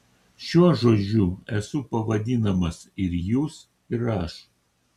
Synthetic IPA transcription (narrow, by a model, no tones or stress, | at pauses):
ʃʲuɔʒoːd͡ʒʲuɛsʊpɐʋɐd̪ʲɪnɐmɐsɪɾjuːs | ɪɾɐʃ